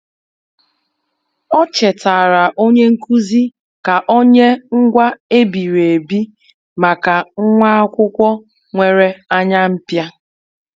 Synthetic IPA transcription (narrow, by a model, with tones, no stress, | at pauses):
ɔ˦t͡ʃe˨ta˨ɾa˨ʔo˦ɲe˦ŋ̩˦ku˦zi˦ | ka˨ʔo˦ɲe˦ŋ̩˦ɡʷa˦e˦bi˨ɾe˨bi˦ | ma˨ka˨ŋ̩˦ŋʷa˦a˦kʷʊ˦kʷɔ˦ | ŋʷe˨ɾe˦a˦ɲa˦m̩˦pja˦